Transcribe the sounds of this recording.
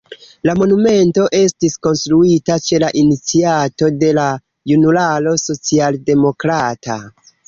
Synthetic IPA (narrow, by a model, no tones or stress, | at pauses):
lamo̞nume̞nto̞ʔe̞stisko̞nstɾuitat͡ʃe̞laʔinit͡siato̞de̞la | junulalo̞so̞t͡sialde̞mo̞kɾata̰